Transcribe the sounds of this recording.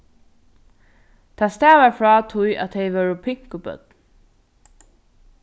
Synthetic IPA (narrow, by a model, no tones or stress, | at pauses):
t̪ʰæːst̪æːʋaɹfɹɑːt̪ʰʊja̰t̪ʰɛɪʋœɹʊpʰɪŋ̥kʊbœ̰d̪̚